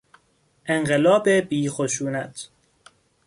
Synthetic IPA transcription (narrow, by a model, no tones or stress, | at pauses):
ʔeŋɢelɒːbebiːxoʃuːnæt̪ʰ